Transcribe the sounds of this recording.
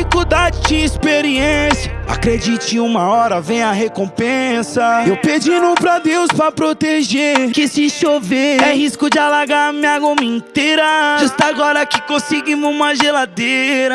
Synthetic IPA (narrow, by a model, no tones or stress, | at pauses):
fikud̪ad͡ʒɪt͡ʃĩispeɾiẽsjɐa̰kɾed͡ʒit͡ʃɪ̃ũmɐɔɾɐvẽj̃ɐɦekõpẽsɐewped͡ʒinũpɾɐd̪ewspɾɐpɾot̪eʒeɾkɪsɪʃoveɛɦiskʊd͡ʒɪalaɡamĩɐɡomĩt̪eɾɐʒest̪aaɡɔɾɐakɪkõsɪɡimɪũmɐʒelad̪eɾɐ